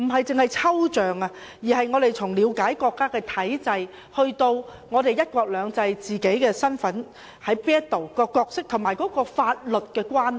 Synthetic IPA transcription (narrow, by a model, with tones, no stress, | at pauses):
m̩˨˩ɦɐ˨jt͡sɪ˨ŋhɐ˨˩jt͡sʰɐ˥wt͡ʃœː˨˩ŋa˧ | jiː˨˩hɐ˨jŋɔː˨˧ɾe˨jt͡sʰʊ˨˩ŋliː˨˧wkaː˨˥jkɔː˧kːaː˥kɛː˧t̪ʰɐ˨˥jt͡sɐ˧j | hɵ˧ɥt̪o˧w | ŋɔː˨˧ɾe˨jɐ˥t̚kʷɔː˧k̚lœː˨˧ŋt͡sɐ˧jt͡siː˨ke˨˥jkɛː˧sɐ˥nfɐ˨˥n | hɐ˨˥jpɛː˥t̚t̪o˨˩wkɔː˧kɔː˧k̚sɪ˥k̚t̪ʰʊ˨˩maː˨˩jkɔː˨˥kɔː˧faː˧t̚lɵ˨t̚kɛː˧kwaː˥n